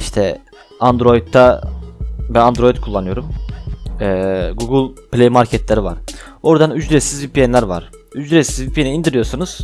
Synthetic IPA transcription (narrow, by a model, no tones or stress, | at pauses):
iʃt̪ʰɛ | and̪ɾo̞jit̪ʰːa | bænand̪ɾo̞jit̪̚kʰulˠːanɯjo̞ɾum | ɛːɡuɡɯlʲˠplʲejmaɾcʰɛt̪ʰlʲeɾiva̰ɾ̥ | o̞ɾd̪anyd͡ʒɾɛsizvipiɛnlʲæɾva̰ɾ̥ | yd͡ʒd̪ɾɛsizvipʰieniːnd̪iɾijo̞ɾsunuz̥